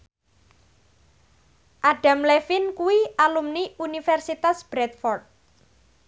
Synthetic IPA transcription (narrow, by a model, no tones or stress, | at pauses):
ʔaɖ̥a̤mlefɪnkuwiʔalumniunifɛrsit̪asb̥ɾɛt̪̚fɔrt̪̚